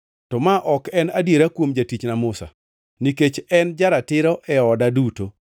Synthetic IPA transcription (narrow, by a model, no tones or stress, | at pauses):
tɔmaʔɔkɛnadjeɾakwomd͡ʒatit͡ʃnamʊsa̰ | niket͡ʃɛnd͡ʒaɾatɪɾɔʔɛɔdaduto